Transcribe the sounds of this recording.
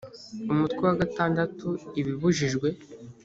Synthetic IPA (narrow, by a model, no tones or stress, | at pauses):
umutkwiwaɡataːndatuiβiβuʒiʒɡwe̞